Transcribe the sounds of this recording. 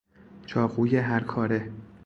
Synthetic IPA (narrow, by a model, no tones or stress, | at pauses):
t͡ʃʰɒːɣuːjeɦæɾkʰɒːɾe